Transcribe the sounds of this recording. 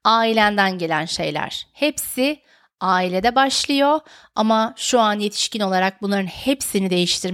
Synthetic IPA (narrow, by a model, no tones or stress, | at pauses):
aːilʲænd̪ænɟe̞lʲænʃe̞̰jlʲæ̰ɾ̥hepsɪ | aːilʲed̪ɛbaʃlˠɯjo̞ | a̰maʃuanje̞t̪ʰi̥ʃcino̞lˠaɾak̚bunlˠaɾɯnhepsinid̪e̞jiʃt̪ʰiɾ